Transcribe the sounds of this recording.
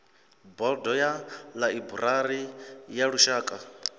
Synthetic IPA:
bɔdɔjalaibuɾaɾijaɺuʃaːkʼa

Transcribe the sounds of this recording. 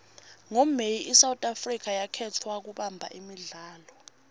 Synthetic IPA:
ŋomejiʔisawutʼafrik̬ajakʰɛtʰwak̬uɓambʱa̰ʔimiɮaːlɔ

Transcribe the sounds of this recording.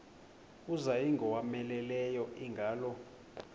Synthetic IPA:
uzajiŋɡʱɔwamɛlɛlɛjɔʔiŋɡʱaːlɔ

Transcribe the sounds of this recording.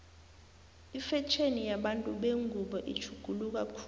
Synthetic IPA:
ifɛt͡ʃʰenijaɓantʼuɓeŋɡʱuɓɔʔi̥t͡ʃʰuɡ̥ʱuluk̬ʼakʰː

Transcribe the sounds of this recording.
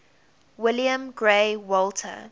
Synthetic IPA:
wɪljə̃mɡɹewɔltʰə̰

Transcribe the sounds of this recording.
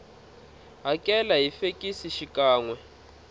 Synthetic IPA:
ɦakʼɛlaɦifekʼisiʃikaːŋwɛ

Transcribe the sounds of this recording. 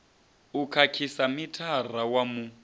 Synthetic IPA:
ukʰakʰisamitʰar̤awamu

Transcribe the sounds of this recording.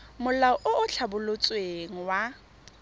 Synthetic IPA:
mʊlaɔʔʊʊt͡ɬʰabʊlot͡sʼweŋ̩wa

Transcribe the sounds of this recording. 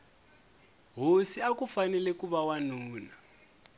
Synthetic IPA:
ɦosiakufanɛlɛkuβawanuːna

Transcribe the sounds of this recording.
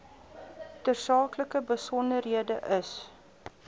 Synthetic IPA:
tərsɑːkləkəbəsɔndərɦiədəʔəs

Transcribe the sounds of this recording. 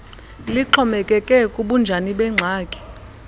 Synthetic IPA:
liǃʰɔmɛkʼɛkʼɛkʼuɓund͡ʒʱaniɓɛŋ͡ǀʱaːkʼi̥

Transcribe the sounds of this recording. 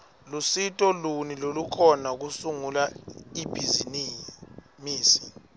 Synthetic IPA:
lusitʼɔlunilolukʰɔnak̬usuŋulaib̥ʱizini | miːsi̥

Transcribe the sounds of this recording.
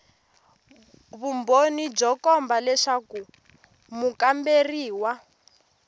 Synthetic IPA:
βumbonid͡ʒɔkɔmbalɛʂaku | mukamberiːwa

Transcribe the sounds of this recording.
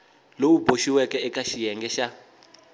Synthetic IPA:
lowuboʃiwɛkɛːkaʃijɛŋɡɛʃa

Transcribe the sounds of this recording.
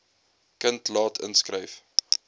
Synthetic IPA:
kəntlɑːtʰə̰nskrəjf

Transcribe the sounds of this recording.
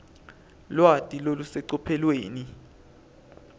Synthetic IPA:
lwatʼilolusɛǀɔpʰɛlweːni

